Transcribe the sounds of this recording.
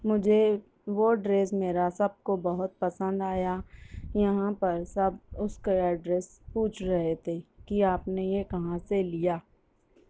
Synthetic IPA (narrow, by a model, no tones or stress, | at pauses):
mʊd͡ʒʱe | ʋoɖɾeːsmeːɾasɐb̚kobɐɦʊt̪̚pɐsə̃nd̪aːjajɐɦãpɐɾsɐb̚ʊskaɛɖɾeːs | puːt͡ʃʰɾɐɦet̪ʰeːkiaːpnejekɐɦãselijaː